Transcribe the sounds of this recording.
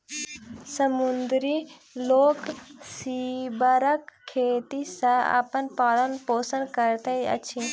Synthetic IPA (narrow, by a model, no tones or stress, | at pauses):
sɐmund̪ɾi | loːksibəɾəkʰːeːt̪isɐ̃a̰ːpənpaːlənpoːsənkɐɾt̪ɐjɐ̰t͡ʃʰĩ